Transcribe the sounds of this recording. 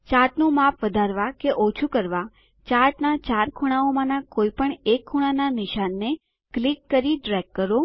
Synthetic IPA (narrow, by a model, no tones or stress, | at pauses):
t͡ʃaʈnũmapʰʋəd̪ʱaɾʋakeʔot͡ʃʰukəɾʋa | t͡ʃaɾʈnat͡ʃaɾkʰuɽ̃aomãnakoipəɳekʰːuɽ̃ananɪʃanːe | klikːəɾiɖɾɛkːəɾo